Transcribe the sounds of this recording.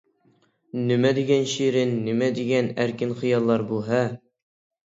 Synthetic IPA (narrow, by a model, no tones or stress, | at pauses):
nɘ̆mæd̪iɡænɕiɾɘnːɘmæd̪iɡænæɾkɘnχɤ̆jɑlˠːɑɾbulˠɦɑ